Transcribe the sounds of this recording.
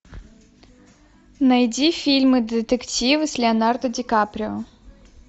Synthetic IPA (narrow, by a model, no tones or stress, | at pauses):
nɐjdʲifʲilʲmɨd̪ɨt̪ɛktʲivɨsʲlʲɪɐnard̪ɐdʲɪkapɾʲɪɔ